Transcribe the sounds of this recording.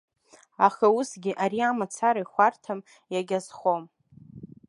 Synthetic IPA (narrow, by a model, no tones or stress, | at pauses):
aχausɡʲɪʔaɾiamat͡sʰaɾaiχʷartʰam | jaɡʲazχo̞m